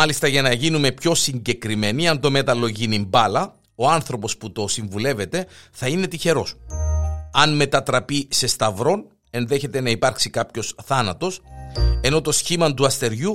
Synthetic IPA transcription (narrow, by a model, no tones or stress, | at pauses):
ɐlist̪ɐʝɐnɐʝinume̞pço̞siɲɟe̞kɾime̞niɐnt̪o̞me̞t̪ɐlo̞ʝinimbɐlɐ | o̞ɐnθɾo̞po̞sput̪o̞siɱvule̞ve̞t̪e̞θɐine̞t̪içe̞ɾo̞s | ɐnme̞t̪ɐt̪ɾɐpise̞st̪ɐvɾo̞n | e̞nðe̞çe̞t̪e̞nɐipɐɾksikɐpço̞sθɐnɐt̪o̞se̞no̞t̪o̞sçimɐnt̪uɐst̪e̞ɾʝu